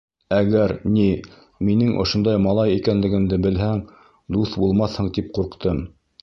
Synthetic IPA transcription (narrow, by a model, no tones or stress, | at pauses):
æɡæɾni | minɘŋʔŏ̰ʃŏnd̪ɑjmɑlˠɑjikænlɘ̆ɡɘ̆md̪ɘbɘ̆lɦæŋ | d̪uθbulˠmɑθhɤɴt̪ip̚quɾqt̪ɤm